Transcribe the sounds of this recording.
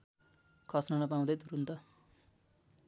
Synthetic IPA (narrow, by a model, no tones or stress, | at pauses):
kʰʌsnʌnʌp̬aw̃d̪ʌjt̪uɾunt̪ʌ